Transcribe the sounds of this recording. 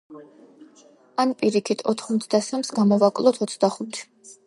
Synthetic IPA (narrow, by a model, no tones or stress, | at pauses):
anpʼiɾikʰit̪ʰɔt̪ʰχmɔt̪ʰd̪asamsɡamɔvakʼlˠɔt̪ʰɔt̪sʰd̪aχut̪ʰ